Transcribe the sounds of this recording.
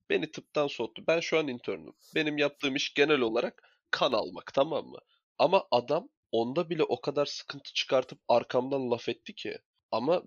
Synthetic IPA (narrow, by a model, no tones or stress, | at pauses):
b̥e̞nit̪ʰɯp̚t̪ʰansot̪ʰːubænʃuanint̪ʰøɾny̰mbe̞nimjap̚t̪ʰɯːmiʃɟe̞nælʲo̞lˠaɾak | kʰːana̰lˠma̰kt̪ʰamamːɯ̰ | amaʔad̪am | o̞nd̪abilʲɛʔo̞kʰad̪aɾsɯ̥kʰɯnt̪ʰɯ̥t͡ʃʰɯ̥kʰaɾt̪ʰɯp̚aɾkʰamd̪anlˠafɛt̪ːicʰɪ̰ | ama